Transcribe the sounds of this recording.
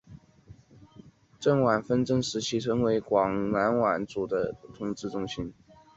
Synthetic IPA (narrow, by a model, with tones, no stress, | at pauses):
ʈ͡ʂə˥˩ŋwa˨˩nfə˥nʈ͡ʂə˥˧ŋʂɻ̩˧˥t͡ɕʰi˥˩t͡sʰɤ˧˥ŋwe˧˥ɪkwɑ˨˩ŋna˧˥nwa˨˩nt͡su˨˩d̪ə˦t̪ʰʊ˧˥ŋʈ͡ʂɻ̩˥˧ʈ͡ʂʊ˥˧ŋɕi˥n